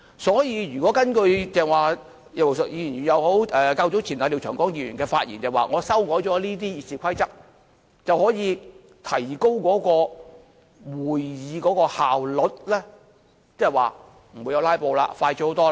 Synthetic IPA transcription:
sɔː˨˥jiː˧ɥyː˨kɔː˨˥kɐ˥nkɵ˧ɥt͡sɛː˨ŋwaː˨ | jɐ˨˩o˨˩sjiː˧˨˩nyː˨˩njɐ˨˧who˨˥wɛː˨kaː˧wt͡so˨˥t͡sʰiː˨˩na˨li˨wt͡ʃʰœː˨˩ŋkɔː˨˥ŋjiː˧˩ɥy˨˩nkɛː˧faː˧t̚jḭː˨˩nt͡sɛː˨˩waː˨ŋɔː˨˧sɐ˥wkɔː˨˥jt͡ʃɔː˨˥liː˥t̪̬iː˥jiː˨˩si˨kʰɐ˥jt͡sɐ˥k̚ | t͡sɐ˨whɔː˨˥jiː˨˧ | t̪ʰɐ˨˩jko˥wkɔː˨˥kɔː˧ | wuː˨˩jjiː˨˧kɔː˨˥kɔː˧haː˨wlɔ˨t̚lɛ˥ | t͡sɛː˥˨waː˨˩ | m̩˨˩u˨˧jɐ˧wlaː˥jpo˧wla̰ː˧faː˧jt͡ʃyː˧˥ho˨˥wt̪ɔː˥

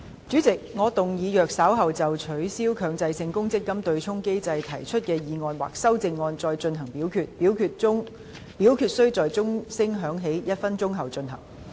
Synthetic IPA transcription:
t͡ʃyː˨˥t͡sɪ˨k̚ŋɔː˨˧t̪ʊ˨ŋjiː˨˧jœː˨k̚saː˨˥wɦɐ˨wt͡sɐ˨wt͡ʃʰɵ˨˥ɥsiː˥wkʰœː˨˧ŋt͡sɐ˧jsɪ˧ŋkʊ˥ŋt͡sɪ˥kːɐ˥mt̪ɵ˧ɥt͡sʰʊ˥ŋke˥jt͡sɐ˧jt̪ʰɐ˨˩jt͡ʃʰɵ˥t̚kɛː˧jiː˨˧ŋɔː˧nwa̰ː˨˩k̚sɐ˥wt͡sɪ˧ŋːɔː˧nt͡sɔː˧jt͡ʃɵ˧nɦɐ˨˩ŋpiː˨˥wkʰyː˧t̚piː˨˥wkʰyː˧t̚ʊ˥ŋ | pi˨˥wkʰyː˨t̚sɵ˥ɥt͡sɔː˨jt͡sʊ˥ŋsɪ˥ŋɦœː˨˥ŋɦe˨˥jjɐ˥t̚fɐ˥nt͡sʊ˥ŋɦɐ˨wt͡ʃɵ˧nɦɐ̰˨˩ŋ

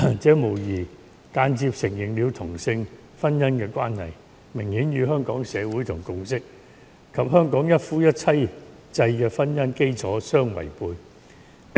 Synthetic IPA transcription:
t͡sɛː˨˥mo˨˩wjiː˨˩ | kaː˧nt͡siː˧p̚sɪ˨˩ŋjɪ˨˩ŋli˨˧wt̪ʰʊ˨˩ŋsɪ˧ŋ | fɐ˥njɐ˥nkɛː˧kʷwʷaː˥nhɐ̰˨j | mɪ˨˩ŋhiː˨˥njyː˨˧ɦœː˥ŋkɔː˨˥ŋsɛː˨˧wuː˨˥jt̪ʰʊ˨˩ŋkʊ˧wsɪ˥k̚ | kʰɐ˨p̚hœː˥ŋkɔː˨˥ŋjɐ˥t̚fuː˥jɐ˥t̚t͡sʰɐ˥j | t͡sɐ˧jkɛː˧fɐ˥njɐ˥nke˥jt͡sʰɔː˨˥sœː˥ŋwɐ̰˨˩jpuː˧j

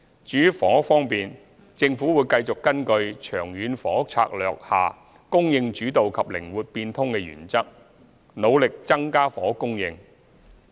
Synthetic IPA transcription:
t͡ʃyː˨˥fɔː˨˥fɔː˥ŋpiː˨n | t͡sɪ˧ŋfuː˨˥wuː˨˧jkɐ˧jt͡sʊ˨kːɐ˥nkɵ˧ɥt͡ʃʰœː˨˩ŋjyː˨˧nfɔː˨˥t͡sʰa̰ː˧k̚lœː˨k̚ha̰ː˨ | kʊ˥ŋjɪ˧ŋt͡ʃyː˨˥t̪o˨wkʰɐ˨p̚lɪ˨˩ŋwuː˨˩t̚piː˧nt̪ʰʊ˥ŋkɛː˧jy̰ː˨˩nt͡sɐ˥k̚ | no˨˧wlɪ˨k̚t͡sɐ˥ŋkaː˥fɔː˨˥kʊ˥ŋjɪ˧ŋ

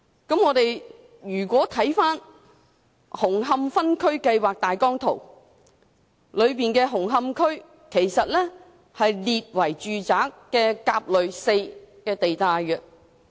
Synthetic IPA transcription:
kɐ˨˥mŋɔː˨˧t̪e˨j | jyː˨˩kʷɔː˨˥t̪ʰɐ˨˥jfaː˥n | hʊ˨˩ŋɦɐ˧mfɐ˥nkʰɵ˥ɥkɐ˧jwaː˨k̚t̪aː˨jkɔː˥ŋt̪ʰo˨˩w | lɵ˨˧ɥpiː˨nkɛː˧ɦʊ˨˩ŋɦɐ˧mkʰɵ˥ɥ | kʰe˨˩jsɐ˨t̚lɛː˥ | hɐ˨jliː˨t̚wɐ˨˩jt͡ʃyː˨t͡saː˨˥kːɛː˧kaː˧p̚lɵ˨˧ɥse˧jkɛː˧t̪e˨jt̪aː˨˧jkɛ˧

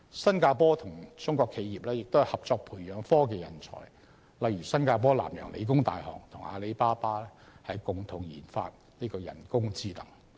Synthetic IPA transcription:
sɐ˥nkaː˧pɔː˥t̪ʰʊ˨˩ŋt͡sʊ˥ŋkʷɔː˧kʰe˨˧jiː˨p̚lɛː˥jɪ˨k̚t̪o˥whɐ˨˩hɐ˨p̚t͡sɔː˧k̚pʰuː˨˩jœː˨˥ŋfɔː˥ke˧jɐ˨˩nt͡sʰɔ̰ː˨˩j | lɐ˨˧jɥyː˨˩sɐ˥nkaː˧p̬ɔː˥la̰ː˨˩mjœ̰ː˨˩ŋlʔḛ˨˧jk̬ʊ˥ŋt̪a̰ː˨jhɔ̰ː˨˩ŋt̪ʰʊ˨˩ŋa̰ː˨˧le˨˥jpaː˥paː˥ɛ˥hɐ˨jkʊ˨˧ŋt̪ʰʊ˨˩ŋjḭː˨˩nfa̰ː˧t̚ | niː˥kɔː˧jɐ̰˨˩nkʊ˥ŋt͡siː˥t̪ɐ˨˩ŋ

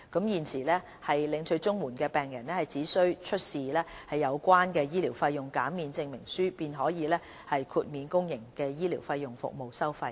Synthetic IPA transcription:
kɐ˨˥mjiː˨nsʰiː˨˩lɛː˥ | hɐ˨jlɪ˨˧ŋt͡ʃʰɵ˧ɥt͡sʊ˥ŋwuː˨˩nkɛː˧pɛː˨ŋjɐ˨˩nlɛː˥hɐ˨˩jt͡siː˨˥sɵ˥ɥt͡ʃʰɵ˥t̚siː˨lɛː˥hɐ˨jːɐ˨˧wkʷaː˥nkɛː˧jiː˥liː˨˩wfɐ˧jːʊ˨ŋkaː˨˥mmiː˨˧nt͡sɪ˧ŋmɪ˨˩ŋsyː˥piː˧nɦɔː˨˥jiː˨˧lɛː˥ | hɐ˨jkʰuː˧t̚miː˨˧nkʊ˥ŋjɪ˨˩ŋkɛː˧jiː˥liː˨˩wfɐ˧jːʊ˨ŋfʊ̰˨k̚mo˨wsɐ˥wfɐ˧j

